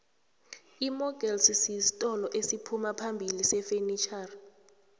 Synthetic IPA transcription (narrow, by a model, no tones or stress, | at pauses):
imɔɡɛlssisi̥tʼɔlɔʔesipʰumapʰambʱilisɛfenit͡ʃʰʼar